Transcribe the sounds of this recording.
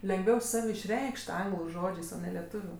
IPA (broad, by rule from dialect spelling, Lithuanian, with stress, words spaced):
lʲɛŋɡˈʋʲɛʊ ˈsɐw ɪʃʲˈrʲɛɪkʃʲtʲ ˈɐŋɡlˠʊ ˈʒoːd͡ʒʲeːs oː nʲɛ lʲɛˈtʊʋʲʊ